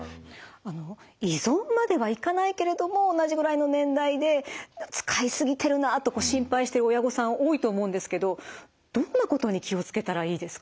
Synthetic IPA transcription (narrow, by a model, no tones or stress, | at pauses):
ano̞ | izõ̞mːad̪e̞βaikanaike̞ɾe̞d̪o̞mo̞ːnaʑiɡɯ̟ɾaino̞nẽ̞nd̪aid̪e̞t͡sɨ̥kʰaisɨɡʲit̪e̞ɾɯ̟nat̪o̞ko̞ːɕĩmpaiɕi̥t̪e̞ɾɯ̟ojaɡo̞sãɰ̃oːit̪o̞ːmo̞ɯ̃nd̪e̞sɨ̥ke̞d̪o̞ | d̪̥o̞nːako̞t̪o̞ɲ̟ikʲio̞t͡sɨ̥ke̞t̪aɾaiːd̪e̞sɨ̥kḁ